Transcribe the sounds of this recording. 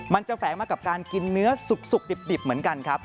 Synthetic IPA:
ma˧nt͡ɕa˨˩fɛː˩˦ŋmaː˧˩ka˨˩p̚kaː˧nki˧nːɯ˦˥ɐsu˨˩k̚su˨˩k̚di˨˩p̚di˨˩p̚mɯ˩˦ənka˧nkʰa˦˥p̚

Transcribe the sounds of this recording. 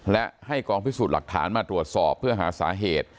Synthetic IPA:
lɛ˦˥ʔha˥˩jkɔː˧ŋpʰi˦˥suː˨˩t̪la˨˩k̚t̪ʰa̰ː˩˦˥nmaː˧t̪ɾu˨˩ət̪̚sɔː˨˩pʰːɯ˥˩ɐɦaː˩˦saː˩˦ɦeː˨˩t̪̚

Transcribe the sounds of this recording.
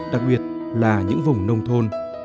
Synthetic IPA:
ɗa˨˩k̚ɓi˨˩ət̚ | laː˨˩ɲɨ̰˧˥ŋvʊ˨˩ŋ͡mnə˧wŋ͡mt̪ʰo˧n

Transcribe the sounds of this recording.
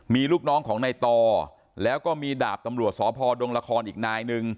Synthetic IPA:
miː˧luː˥˩k̚nɔː˦˥ŋkʰɔː˩˦ŋna˧jt̪ɔː˧ | lɛː˦˥wkɔː˥˩miː˧da̰ː˨˩p̚t̪a˧mɾu˨˩ət̪̚sɔː˩˦pʰɔː˧do˧ŋla˧kʰɔː˧nʔiː˨˩k̚naː˧jnɯ˧ŋ

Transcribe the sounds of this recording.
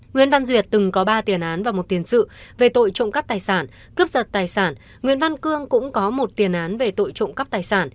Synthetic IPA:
ŋwḭ˧˨ənva˧nzwi˨˩ət̚t̪ɨ˨˩ŋkɔ˨˦ɓaː˧t̪i˨˩ənʔaː˨˦nvaː˨˩mo˨˩t̚t̪i˨˩ənsɨ̰˧˨ve˨˩t̪o̰˧˨jt͡ɕʊ̰˧˨ŋ͡mka˦˥p̚t̪aː˨˩jsaː˧˩n | kɨ˦˥p̚zə˨˩t̚t̪aː˨˩jsaː˧˩n | ŋwḭ˧˨ənva˧nkɨ˧əŋkʊ̰˧˥ŋ͡mkɔ˨˦mo˨˩t̚t̪i˨˩ənʔaː˨˦nve˨˩t̪o̰˧˨jt͡ɕo̰˧˨ŋ͡mka˦˥p̚t̪aː˨˩jsaː˧˩n

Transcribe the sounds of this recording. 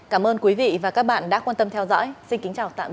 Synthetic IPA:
kaː˧˩mʔəː˧nkwi˨˦vḭ˧˨vaː˨˩ka˦˥k̚ɓa̰ː˧˨nɗa̰ː˧˥kwaː˧nt̪ə˧mt̪ʰɛ˧wzɔ̰˧˥jsï˧nki˨˦ŋ̟t͡ɕaː˨˩wt̪a̰ː˧˨

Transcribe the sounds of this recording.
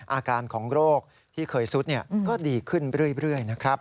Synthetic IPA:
ʔaː˧kaː˧nkʰɔː˩˦ŋɾoː˥˩k̚ | t̪ʰiː˥˩kʰɤː˧jsu˦˥t̪̚ni˥˩ɐkɔː˥˩diː˧kʰɯ˥˩nɾɯ˥˩əjɾɯ˥˩əjna˦˥kʰɾa˦˥p̚

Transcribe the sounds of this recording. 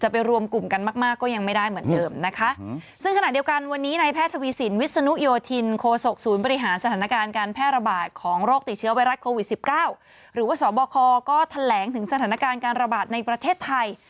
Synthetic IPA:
t͡ɕa˨˩pa˧jɾu˧əmku˨˩mka˧nmaː˥˩k̚maː˥˩kːɔː˥˩ja˧ŋma˥˩jda˥˩jmɯ˩˦əndɤː˧mna˦˥kʰa˦˥ʔ | sɯ˥˩ŋʰa˧na˨˩ʔ̚di˧ə˧wka˧nwa˧nːiː˦˥na˧jpʰɛː˥˩t̪ʰːa˧wiː˧si˩˦nwi˦˥t̪̚sa˧nu˦˥joː˧t̪ʰi˧nkʰoː˧so˨˩k̚suː˩˦nbɔ˧ɾi˦˥ɦaː˩˦nsa˧t̪ʰaː˩˦na˦˥kaː˧nkaː˧npʰɛː˥˩t̪̚ɾa˧baː˨˩t̪̚kʰɔː˩˦ŋɾoː˥˩k̚t̪i˨˩t̪̚t͡ɕʰɯ˦˥ɐwa˧jɾa˦˥kʰoː˧wi˨˩si˨˩p̚kaː˥˩w | ɾɯː˩˦waː˥˩sɔː˩˦bɔː˧kʰɔː˧kɔː˥˩t̪ʰa˧lɛː˩˦ŋt̪ʰɯ˩˦ŋsa˧t̪ʰaː˩˦na˧˥kaː˧nkaː˧nɾa˧baː˨˩t̪̚na˧jpɾa˧t̪ʰeː˥˩t̪ʰːa˧j

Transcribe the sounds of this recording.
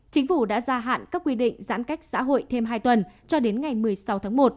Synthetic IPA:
t͡ɕï˨˦ŋ̟fu˧˩ɗa̰ː˧˥zaː˧ɦa̰ː˧˨nkaː˦˥kːwi˧ɗḭ˧˨ŋ̟za̰ː˧˥nka˦˥jk̟̚sa̰ː˧˥ɦo̰˧˨jt̪ʰe˧mɦaː˧jt̪wə˨˩nt͡ɕɔ˧ɗe˨˦nŋa˨˩jmɨ˨˩ə˩jsa˨˦wt̪ʰaː˨˦ŋmo˨˩t̚

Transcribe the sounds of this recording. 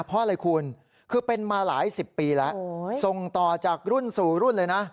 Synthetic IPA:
pʰɔ˦˥ʔa˧ɾa˧jkʰu˧n | kʰɯː˧pe˧nmaː˧laː˩˦jsi˨˩pːiː˧lɛ˦˥ʔso˨˩ŋt̪ɔː˨˩t͡ɕaː˨˩k̚ɾu˥˩nsuː˨˩ɾu˥˩nlɤː˧jna˦˥

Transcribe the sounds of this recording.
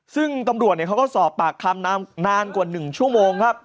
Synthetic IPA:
sɯ˥˩ŋt̪a˧mɾu˨˩ət̪̚i˧˩ka˦˥wkɔː˥˩sɔː˨˩pːaː˨˩k̚t̪ʰa˧mnaː˦˥mnaː˧nku˨˩nɯ˨˩ŋt͡ɕʰu˥˩əmoː˧ŋkʰp̚

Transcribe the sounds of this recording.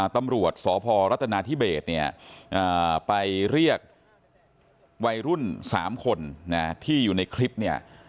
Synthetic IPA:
t̪a˧mɾu˨˩ət̪̚sɔː˩˦pʰɔː˧ɾa˦˥t̪ːʰa˧naː˧t̪ʰiː˥˩beː˨˩t̪̚ni˥˩ɐʔaː˨˩pa˧jɾi˥˩ək̚ | wa˧jɾu˥˩nsa̰ː˩˦mkʰo˧nːa˦˥t̪ʰiː˥˩juː˨˩na˧jkʰli˦˥p̚ni˥˩ɐ

